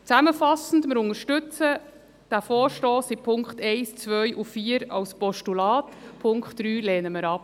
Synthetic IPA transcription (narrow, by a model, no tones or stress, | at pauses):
t͡sæməfɑsn̩dməɾʊnŋəɾʃtʏt͡sə | d̥æfɔːɾʃtoːsipʰʊŋkχtɛɪst͡sʋœʏʔufiːəɾɑ̰lspɔʃtulɑːtpʰʊŋkχtd̥ɾyːlɛːnəməɾɑp